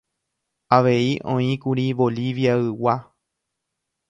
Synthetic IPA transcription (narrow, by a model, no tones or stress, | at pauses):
aʋe̞iʔõ̞ĩkuɾiʋo̞liʋjaɨwa